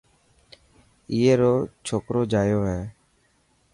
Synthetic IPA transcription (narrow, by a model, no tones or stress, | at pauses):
ɪːeːɾoːt͡ʃʰoːkɾoːd͡ʒaːjoːɦɛː